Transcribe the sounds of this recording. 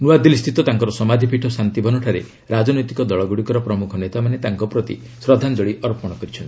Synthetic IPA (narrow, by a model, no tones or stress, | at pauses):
nuad̪ilist̪ʰit̪ɔt̪aŋkɔɾɔsɔmad̪ʱipiʈʰɔsant̪ibʱɔnɔʈʰaɾḛ | ɾad͡ʒɔnɔjt̪i̥kɔd̪ɔɭɔɡuɽikɔɾɔpɾɔmukʰɔnet̪amanet̪aŋkɔpɾɔt̪ḭ | sɾɔd̪ʱand͡ʒɔɭiɔɾpɔɽ̃ɔkɔɾit͡ʃʰɔnt̪i